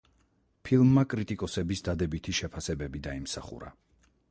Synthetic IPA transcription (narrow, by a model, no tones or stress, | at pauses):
pʰilˠmːakʼɾit̪ʼikʼɔsɛbisd̪ad̪ɛbit̪ʰiʃɛpʰasɛbɛbid̪aimsaχṵɾa̰